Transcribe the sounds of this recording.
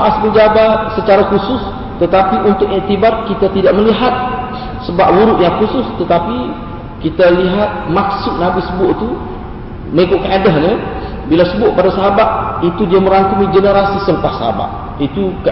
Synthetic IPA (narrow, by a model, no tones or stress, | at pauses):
aʔasbəd͡ʒabasət͡ʃaɾakusʊs | t̪ət̪apiʔunt̪ʊkirt̪ibarkit̪at̪idaʔ̚məliɦat̪̚ | səbap̚wuɾʊʔ̪jaŋkusʊst̪ət̪api | kit̪aliɦat̪̚mak̚sʊʔ̚nabisəbuoʔt̪u | məŋikʊt̪̚kəadaɦɲa | bilasəbuoʔ̚padasaɦabat̪̚it̪udiamə̃ɾant̪umid͡ʒənəɾasisələpahsəɦa̰ba̰t̪̚ | it̪uk